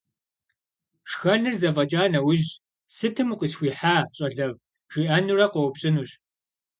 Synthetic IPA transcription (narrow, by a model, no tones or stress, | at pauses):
ʂxɐnɨrzɐvɐt͡ʃʼaːnɐwʊʑ | sɨtʰɨmqʷʼisxʷiːħaːɕʼɐɮɐv | ʒ̥iːʔɐnurɐqɔpɕʼɪnuːɕ